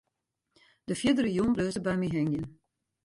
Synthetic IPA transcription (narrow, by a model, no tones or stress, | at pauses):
dəfjɪdərəjumbløːzəbɛjmiɦɛŋjən